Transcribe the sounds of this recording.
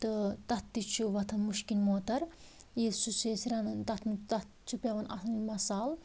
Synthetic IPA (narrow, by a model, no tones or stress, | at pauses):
t̪ɨt̪ɐt̪ːit͡ʃʰuʋɐt̪ʰɐnmuʃkinʲmoːt̪ɐɾ | jesuseːsiɾɐnnt̪ɐt̪ʰmt̪ɐt̪t͡ʃʰupʲɐʋɐnʔɐ̰t̪nimɐsaːl